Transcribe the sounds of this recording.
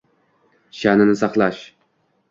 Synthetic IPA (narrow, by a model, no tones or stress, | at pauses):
ʃanɪnɪsɑqlˠaʃ